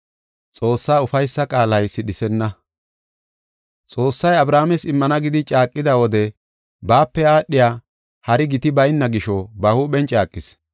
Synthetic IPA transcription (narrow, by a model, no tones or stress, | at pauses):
t͡sʼo̞ːsːaːʊfɐjsːɐkʼaːlɐjsɪɗɪsɛnːɐ | t͡sʼo̞ːsːɐjɐbɾaːmɛsɪmːɐnɐɡɪd̪ɪt͡ʃʼaːkʼːɪd̪ɐwɔd̪ɛ | baːpːɛaːɗɪjaː | hɐɾɪɡɪt̪ɪbɐjnːɐɡɪʃɔbɐhuːɓɛnt͡ʃʼaːkʼːɪs